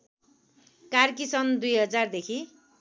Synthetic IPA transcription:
karkisʌnd̪ujɦʌd͡zard̪ekʰi

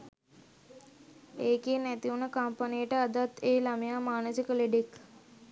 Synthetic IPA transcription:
eːkeːnæt̪iunəkampanijəʈəad̪at̪eːlamejaːmaːnəsikəleɖek

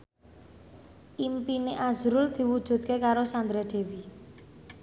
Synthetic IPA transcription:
ʔimpineʔazɾʊld̪̥i̤wud̥ʒ̥ṳd̪̚kekaɾosand̪ɾed̪̥e̤wi

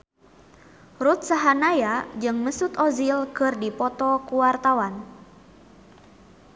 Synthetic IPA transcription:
rut̪̚saɦanajad͡ʒɨŋməsut̪ɔzilkɨrdipɔt̪ɔkuwart̪awan

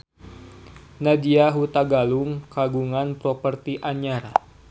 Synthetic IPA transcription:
nadiaɦut̪aɡaluŋkaɡuŋanpɾɔpərt̪iʔaɲaɾa

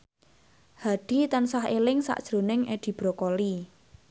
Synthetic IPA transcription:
haɖ̥i̤t̪ansaɦelɪŋsa̰ʔd̥ʒ̥ɾo̤nɪŋed̪̥i̤b̥ɾɔkoli

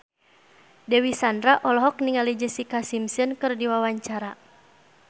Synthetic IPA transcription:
dɛwisandɾaʔɔlɔɦɔk̚niŋalid͡ʒəsikasimsɨnkɨrdiwawaɲt͡ʃaɾa

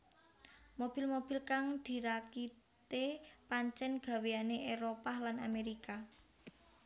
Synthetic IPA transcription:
mob̥i̤lmob̥i̤lkaŋd̪̥i̤ɾaki | t̪epaɲt͡ʃɛnɡ̥a̤weaneʔeɾopalana̰meɾika

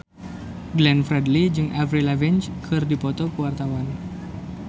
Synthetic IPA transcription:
ɡlɛnfɾɛdlid͡ʒɨŋʔavɾilavɛnt͡ʃkʰɨrdipɔt̪ɔkəwart̪awan

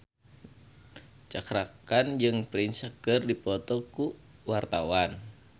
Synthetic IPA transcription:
t͡ʃakɾakand͡ʒɨŋpɾinsakərdipɔt̪ɔku | wart̪awan

